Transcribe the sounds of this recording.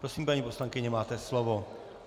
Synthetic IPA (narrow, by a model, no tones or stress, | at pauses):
pɾosiːmpaɲiːpo̞slaŋkɪɲɛmaːt̪ɛslovo